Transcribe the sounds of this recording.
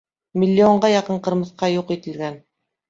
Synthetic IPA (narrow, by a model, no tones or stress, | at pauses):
mʲilʲːioɴɢɑjɑqɤɴqɤ̆ɾmɤ̆θqɑjuqit̪ɘ̆lɡæn